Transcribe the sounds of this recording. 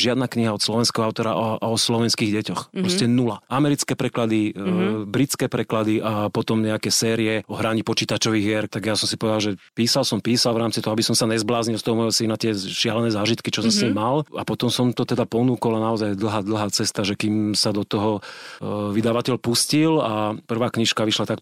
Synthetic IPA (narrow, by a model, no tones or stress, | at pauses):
ʒɪad̪nakɲiɦaɔt̪slɔʋɛnskɛɦɔaʊt̪ɔɾa̰ʔɔslɔʋɛnskiːɣɟɛcɔxppɾɔscɛnulaʔamɛɾit͡skɛːpɾɛklad̪ibɾit͡skɛːpɾɛklad̪iʔapɔt̪ɔmɲɛakɛsɛːɾiɛɔɦɾaɲipɔt͡ʃiːt̪at͡ʃɔʋiːɣjɛɾt̪aɡjasɔmsipɔʋɛd̪alʒɛpiːsalsɔmpiːsalvɾaːmt͡sit̪ɔɦɔabisɔmsaɲɛzblaːzɲilst̪ɔɦɔmɔjɦɔsinat̪ɪɛʃɪalɛnɛːzaːʒit̪kit͡ʃɔsɔmsɲimːalapɔt̪ɔmsɔmt̪ɔt̪ɛd̪apɔnuːkɔlanaɔzajd̪l̩ˠɦaːd̪l̩ˠɦaːt͡sɛst̪aʒɛkiːmsad̪ɔt̪ɔɦɔ | ʋid̪aʋacɛʎpuscilapr̩ʋaːkɲiʃkaʋiʃlat̪ak